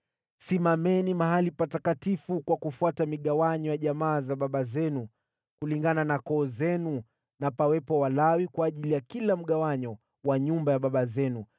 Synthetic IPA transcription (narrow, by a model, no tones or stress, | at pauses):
simamɛnimaɦalipatakatifukwakufuatamiɠawaɲɔjaʄamaːzaɓaɓazɛnu | kuliŋɡananakɔːzɛnu | napawɛpɔwalawikwaːʄilijakilam̩ɠawaɲɔ | waɲumbajaɓaɓazɛnu